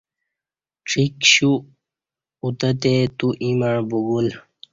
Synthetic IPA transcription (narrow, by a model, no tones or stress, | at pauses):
ʈ͡ʂʰikɕu | ut̪ət̪et̪uʔimaɳ̃buɡul